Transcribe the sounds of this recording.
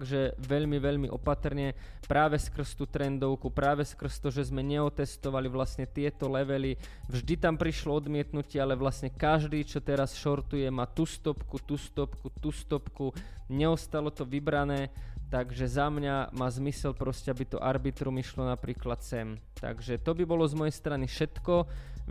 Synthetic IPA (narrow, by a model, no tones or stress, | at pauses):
ɡʒɛʋɛʎmiʋɛʎmiʔɔpat̪rɲɛ | pɾaːʋɛskr̩st̪uːt̪ɾɛnd̪ɔʊkupɾaːʋɛskr̩st̪ɔʒɛzmɛɲɛɔt̪ɛst̪ɔʋaliʋlasɲɛt̪ɪɛt̪ɔlɛʋɛli | vʒd̪it̪ampɾiʃlɔɔd̪mɪɛt̪nucɪɛalɛʋlasɲɛkaʒd̪iːt͡ʃɔt̪ɛɾasʃɔɾt̪ujɛmaːt̪ust̪ɔpkut̪ust̪ɔpkut̪ust̪ɔpkuɲɛɔst̪alɔt̪ɔʋibɾanɛːt̪aɡʒɛzamɲamaːzmisɛlpɾɔscɛabit̪ɔ̰ʔaɾbit̪ɾumiʃlɔnapɾiːklat̪sɛm | t̪a̰ɡʒɛt̪ɔbibɔlɔzmɔjɛjst̪ɾanifʃɛt̪kɔ